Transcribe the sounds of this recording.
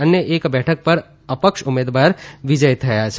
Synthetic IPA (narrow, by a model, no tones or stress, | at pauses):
ɐnjəʔeːkbɛːʈʰək̚pɐɾ | ɐpəkʃʊmːeːd̪ʋaːɾʋɪd͡ʒəjt̪ʰɐjaːt͡ʃʰ